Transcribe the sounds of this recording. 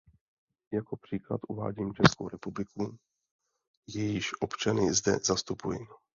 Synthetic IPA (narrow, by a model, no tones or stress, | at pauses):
jakopr̝̥iːkla̰t̪ʔuva̰ːɟiːmt͡ʃɛskowɾɛpublɪku | jɛjɪʃʔopt͡ʃanɪzdɛ̰zast̪upuji